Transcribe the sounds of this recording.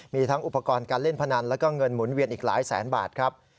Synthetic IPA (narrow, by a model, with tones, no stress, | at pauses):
miː˧t̪ʰa˦˥ŋʔu˨˩pːa˧kɔː˧nkaː˧nle˥˩npʰa˧na˧nlɛː˦˥wkɔː˥˩ŋɤ˧nmu˩˦nwi˧ənʔiː˨˩k̚laː˩˦jsɛ̰ː˩˦nba̰ː˨˩t̪̚kʰɾa˦˥p̚